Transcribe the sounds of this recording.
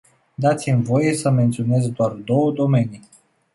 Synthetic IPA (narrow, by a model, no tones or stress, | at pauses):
d̪at̪simʲvo̞je̞səme̞nt̪sio̞ne̞zd̪oard̪o̞wəd̪o̞me̞ni